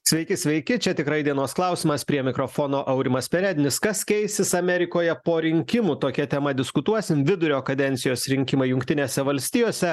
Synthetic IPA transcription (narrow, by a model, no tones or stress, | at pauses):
sʲʋʲɛɪkʲɪsʲʋʲɛɪkʲɪt͡ʃʲɛt̪ʲɪkɾɐɪd̪ʲiɛnoɔsklˠɐˑʊsʲimɐspʲɾʲiɛmʲɪkɾofoːnoːʔɐʊɾʲɪmɐsʲpʲɛɾʲɛd̪ʲɪnʲɪskɐskʲɛɪsʲɪsɐmʲɛɾʲɪkoːjɛpoːɾʲɪŋʲkʲɪmut̪oːkʲɛt̪ʲɛmɐd̪ʲɪskʊt̪uɔsʲɪmʋʲɪd̪ʊɾʲoːkɐd̪ʲɛnʲt̪sʲɪjoːsɾʲɪŋʲkʲɪmɐɪjʊŋk̚t̪ʲɪnʲeːsʲɛʋɐlʲsʲt̪ʲiːjoːsʲɛ